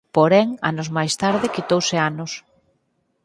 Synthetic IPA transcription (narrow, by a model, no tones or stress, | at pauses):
poɾɛŋa̰nʊzmajst̪aɾðɪkit̪owseanʊs